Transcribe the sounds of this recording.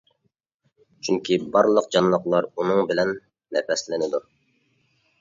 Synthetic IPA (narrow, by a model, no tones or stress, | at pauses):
t͡ʃʰyŋkʲʰibɑɾlˠəqd͡ʒɑnlˠəqlˠɑɾunɨŋbɪlɛnː | ɛpɛslɪnɪd̪u